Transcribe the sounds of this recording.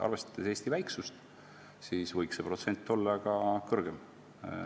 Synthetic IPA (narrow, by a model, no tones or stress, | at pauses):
ɑ̰rve̞st̪ɑ̥d̪̥ese̞ːsʲt̪ivæjksust̪ | siːsvɤjksepro̞t̪se̞nʲt̪ˑːo̞lːɑkɑkɤrɡ̥em